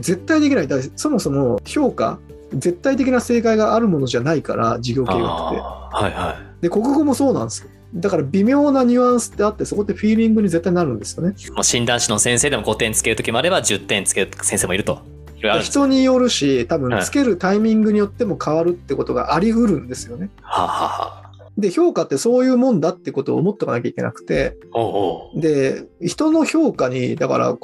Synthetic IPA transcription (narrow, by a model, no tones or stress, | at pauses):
ze̞t̪ːaid̪e̞kʲinaid̪aso̞mo̞so̞mo̞ço̞ːka̰ | ze̞t̪ːait̪e̞kʲinase̞ːkaiɡaʔːɾɯ̟mo̞no̞ʑanaika̰ɾa̰d͡ʑiɡʲo̞ːkkeːɡa̰e̞̰ha̰jhad̪e̞ko̞kɯ̟ɡo̞mo̞so̞ːnãnd̪esɨ̥o | d̪akaɾabʲimʲo̞ːnaɲ̟ɯ̟ãɰ̃sɨ̥t̪ːe̞at̪ːe̞so̞ko̞t̪ːeɸʲiːɾʲĩŋɡɯ̟ɲ̟ize̞t̪ːaɲinaɾɯ̟̃nd̪e̞sɨjo̞ne̞moɕĩnd̪ãɰ̃ɕinosẽse̞ːd̪e̞moɡo̞t̪ẽ̞nt͡sɨ̥ke̞ɾɯ̟t̪o̞kʲimo̞aɾe̞bad͡ʑɨt̪ːẽ̞ɲt͡sɨ̥keɯsẽse̞ːmoiɾɯ̟t̪o̞̰ | iɾoaçi̥t̪o̞ɲ̟ijo̞ɾɯ̟ɕit̪abɯ̟̃nt͡sɨ̥ke̞ɾɯ̟t̪aimʲĩŋɡɯɲ̟ijot̪ːe̞mo̞kʰaβaɾɯ̟t̪ːeko̞t̪o̞ɡa̰ʔaɾʲiɯ̟ɾɯ̟̃nd̪e̞sɨjo̞ne̞ | ha̰ha̰ha̰ | d̪e̞ço̞ːkat̪ːe̞so̞ːjɯ̟ːmõ̞nd̪at̪ːe̞iko̞t̪o̞̰mo̞t̪ːokanakʲaikʲe̞nʔa̰kɯ̟̥t̪e̞̰ | oːd̪e̞çi̥t̪o̞no̞ço̞ːkaɲ̟id̪aka̰ɾa̰